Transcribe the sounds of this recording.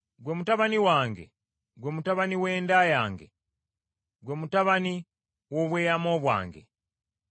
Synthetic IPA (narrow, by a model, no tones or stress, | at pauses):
ɡwemutaβaniwaːŋɡḛ | ɡwemutaβaniwe̞ːndajaːŋɡe | ɡwemutaβani | woβweːjamoːβwa̰ːŋɡe̞̰